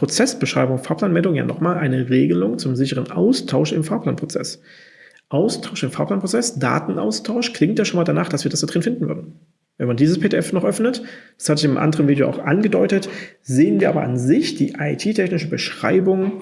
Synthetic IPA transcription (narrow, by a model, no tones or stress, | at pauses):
pʁ̥ot͡sɛsb̥əʃʁ̥a̰ɪbʊŋfaːɐpʰlaːnmɛldʊŋja̰ːnʔɔ̰χmaːlʔaɪnəʁeːɡəlʊŋt͡sʊmzɪçəʁənʔa̰ʊstʰaʊʃɪmfaːɐpʰlaːnpʁ̥ot͡sɛ̰s | ʔaʊstʰaʊʃɪmfaːpl̥aːnpʁ̥ot͡sɛsd̥a̰ːtn̩ʔa̰ʊstʰaʊʃkʰl̥ɪŋtjaːʃoːnmaːldanaːχd̥asv̥iːɐdasd̥ad̥ʁɪn̩fɪndn̩vʏ̰ɐdn̩ | vɛnmandiːzəspʰeːdeʔɛfnɔχʔœfnətd̥ḁshatɪçɪmʔa̰ndəʁənviːdejoʔa̰ʊxʔa̰nɡədɔʏtətzeːənviːɐʔaːbɐ̰ʔanzɪçd̥iːʔaɪtʰiːtʰɛçnɪʃəbəʃʁ̥a̰ɪbʊŋ